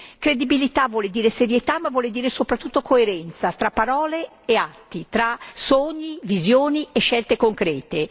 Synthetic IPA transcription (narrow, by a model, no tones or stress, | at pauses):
kɾed̪ibilit̪avwɔːled̪iːɾeseɾjet̪amːavːwɔːled̪iːɾesopɾat̪ːut̪ːokʰoeɾɛnt̪sat̪ɾapːaɾɔːleː | at̪ːit̪ɾasoɲːivizjoːnieʃːɛlt̪ekoŋkɾɛːt̪e